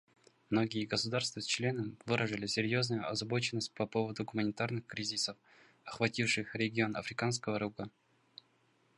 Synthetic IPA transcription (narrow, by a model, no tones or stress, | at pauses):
mno̞ɡʲɪjəɡəsʊd̪arst̪vəst͡ɕlʲe̞nəmvɨɾəʐɨlʲɪsʲɪɾʲjo̞znʊjʊʔɐzɐbo̞t͡ɕɪnːəsʲt̚ʲpɐpo̞vəd̪ʊɡʊmənʲɪt̪arnɨxkɾʲizʲɪsəf | ɐxvɐtʲifʂɨxɾʲɪɡʲɪo̞nɐ̰fɾʲɪkanskəvəɾuɡə